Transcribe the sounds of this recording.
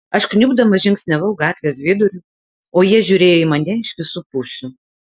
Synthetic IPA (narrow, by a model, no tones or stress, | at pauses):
ɐʃknʲʊbd̪ɐmɐʒʲɪŋksʲnʲɛʋɐʊɡɑːt̪ʲʋʲeːsʋʲeːd̪ʊɾʲʊ | oːjiɛʒʲʊɾʲeːjoːɪmɐnʲɛɪʃʋʲɪsuːpʊsʲu